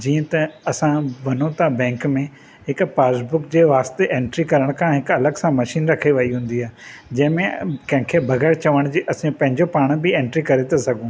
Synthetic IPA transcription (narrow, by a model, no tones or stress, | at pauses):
d͡ʑiːə̃t̪ɐɐsãʋɐnõt̪abɛ̃ːŋkmẽ | ɦɪkpaːsbʊkd͡ʑeːʋaːst̪eʔẽːɳʈɾikɐɾəɽ̃kʰãɦɪkɐləɡsãmɐʃiːnɾɐkʰeʋɐiɦũːn̆d̪iaːɦed͡ʑɐ̃ɦɪ̃mẽkɐ̃ɦɪ̃kʰebʱɐɣɛːɾt͡ɕɐʋəɽ̃d͡ʑiːʔɐsĩpɐ̃ɦɪ̃ɲd͡ʑopaːɽ̃bɪẽːɳʈɾikɐɾet̪ʰasɐɡʱũː